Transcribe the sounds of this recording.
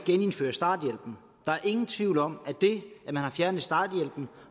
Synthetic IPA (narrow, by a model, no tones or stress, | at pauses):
ɡ̥ene̝nfø̰ːɐsd̥ɑ̰̈ːd̥jel̰b̥n̩ | d̥ɑ̈æɐe̝ŋn̩t͡sʰʋiʊ̰lɒ̽m̰æd̥e̝æmænhɑ̈fjæɐnəð̩ˠsd̥ɑ̈ːd̥jel̰b̥n̩